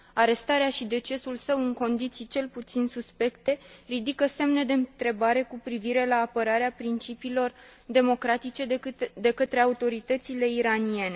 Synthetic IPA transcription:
aɾe̞st̪aɾeaʃid̪e̞t͡ʃe̞sulsəwɨŋko̞nd̪it̪sijt͡ʃe̞lput̪sinsuspe̞kt̪e̞rid̪ikəse̞mne̞d̪e̞ɨnt̪ɾe̞baɾe̞kupɾiviɾe̞laːpəɾaɾeapɾint͡ʃipiːlo̞r | d̪e̞mo̞kɾat̪it͡ʃe̞d̪e̞kət̪ɾe̞aut̪o̞ɾit̪ət̪sile̞iɾanie̞ne̞

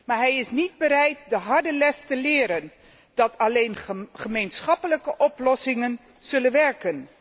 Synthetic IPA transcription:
maːɹɦɛjɪsnid̚bəɾɛjt̚dəɦɑɹdəlɛstəlɪːɾən | d̥ɑtʰɑlejnχəmejnsχɑpələkəʔɔplɔsɪŋən | z̥ɵlənʋɛɹkən

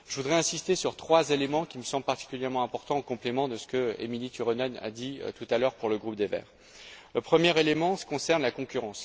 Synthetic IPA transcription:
ʒəvud̪ʁɛɛ̃sist̪esyʁt̪χwazelemɑ̃kʲiməsɑ̃blpaʁt̪i̥kʲyljɛʁmɑ̃ɛ̃pɔʁt̪ɑ̃okɔ̃plemɑ̃d̪əsə̥kəḛmilit̪yʁɔnɔna̰d̪ḭt̪ut̪alœʁpuʁləɡʁup̚d̪evɛ̰ːʁ | ləpχəmjɛʁelemɑ̥̃kɔ̃sɛʁnlakɔ̃kʲyʁɑ̃s

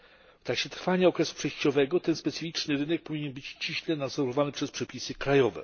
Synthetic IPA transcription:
ft̪akɕɛt̪ɾfaɲaɔkɾɛsu̥pʂɛjɕt͡ɕɔvɛɡɔt̪ɛnspɛt̪sɨfʲit͡ʂnɘɾɘnɛk̚pɔvʲiɲɛnbɘt͡ɕt͡ɕiɕlɛnad̪zɔɾɔvanɘpʂɛspʂɛpʲisɘkɾajɔvɛ̰

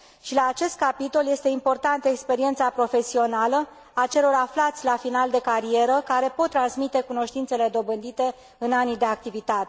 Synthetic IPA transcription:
ʃilaːt͡ʃe̞st̪̚kapit̪o̞lje̞st̪e̞impo̞rt̪ant̪ekspe̞ɾie̞nt̪sapɾo̞fe̞sio̞nalə | at͡ʃe̞lo̞raflat̪sʲlafinald̪e̞kaɾie̞ɾəkaɾe̞po̞t̪ːɾansmit̪e̞kuno̞ʃt̪int̪se̞le̞d̪o̞bɨnd̪it̪e̞ | ɨnanid̪e̞ak̚t̪ivit̪at̪e

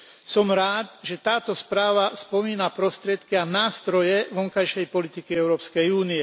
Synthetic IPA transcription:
sɔmɾaːt̪ʒɛt̪aːt̪ɔspɾaːʋaspɔmiːnapɾɔst̪ɾɪɛt̪kianaːst̪ɾɔjɛʋɔŋkajʃɛjpɔlit̪ikiɛʊɾɔːpskɛjuːniɛ

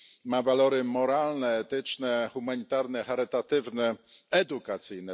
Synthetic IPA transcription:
mavalɔɾɘmɔɾalnɛːt̪ɘt͡ʂnɛxumaɲit̪aɾnɛxaɾɘt̪at̪ɘvnɛɛd̪ukat̪sɘjnɛ

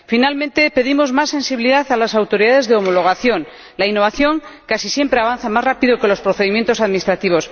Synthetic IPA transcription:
finalmẽnt̪e̞pe̞ðimo̞zmasːe̞nsiβiliðaθalasawt̪o̞ɾiðaðe̞zðeo̞mo̞lo̞ɣ̞aθjo̞n | lainːo̞β̞aθjo̞ŋkasisje̞mpɾeaβ̞anθamazrapiðoke̞lo̞spɾoθeðimje̞nt̪o̞saðminist̪ɾat̪iβ̞o̞s

